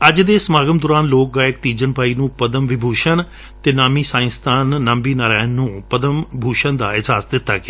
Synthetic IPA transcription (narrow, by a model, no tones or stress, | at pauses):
əd͡ʒd̪eːsəmaːɡəmd̪ʊːɾaːnloːk̚ɡaːɪk̚t̪iːd͡ʒənpaːiːnũːpəd̪əmʋɪbʱuːʃən | t̪eːnaːmiːsãːɪ̃st̪ʰaːnːəmbiːnaːɾaːɪənːũːpəd̪əmbʱuːʃənd̪aːɪɦaːsd̪ɪt̪ːa̰ːkɪ